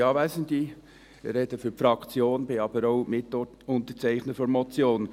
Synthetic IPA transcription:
ɑːvɛsənd̪i | ɾɛdəfyɾfɾɑkt͡sjoːnbɪɑb̥əɾoʊmɪt | ʊnt̪ət͡sæɪχnəfɔnmɔt͡sjoːn

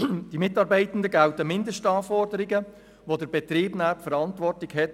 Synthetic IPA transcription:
d̥imɪtːɑːɾbɛɪtən̩dəɡæwtəmɪndəsʃtɑːfɔrdəɾɪɡə | ʋodəɾbɛt̪ɾiːbnæːpfəɾɑntvɔrtlɪɡhɛt

